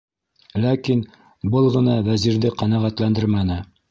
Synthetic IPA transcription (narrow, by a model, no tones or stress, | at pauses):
lækin | bɤlˠʁɤ̆nɑwæziɾðɘqɑnæʁæt̪lænd̪ɘɾmænɘ